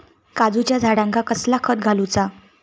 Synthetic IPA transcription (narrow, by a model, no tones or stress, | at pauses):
kad͡zut͡ɕjad͡zʱaɽãŋkakəslakʰəd̪̚ɡʱalut͡sa